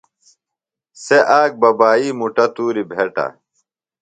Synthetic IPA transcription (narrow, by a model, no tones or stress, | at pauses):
seʔaːk̚bɐbaːiːmuʈɐt̪uːɾibʱeʈɐ̰